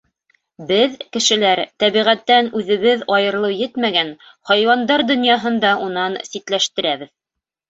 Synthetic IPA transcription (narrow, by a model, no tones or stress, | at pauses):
bɘðkɘ̆ʃɘ̆læɾt̪æβiʁæt̪ːænʉðɘ̆βɘðɑjɤ̆ɾlˠɤwjɘt̪mæɡæn | hɑjwɑnd̪ɑɾd̪ŏnjɑɦɤ̆nd̪ɑʔunɑnsit̪læʃt̪ɘ̆ɾæβɘð